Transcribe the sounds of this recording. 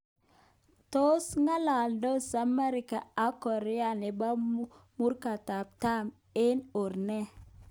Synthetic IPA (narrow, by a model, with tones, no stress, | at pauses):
to˦sŋa˦la˨ldo˦sa˨mɛ˦ɾɪ˦ka˨a˦kɔ˨ɾɛ˦a˨nɪ˨ba˦mu˦rka˨ta˨p̚ta˦m | ɪ˦no˨ɾnɛ˦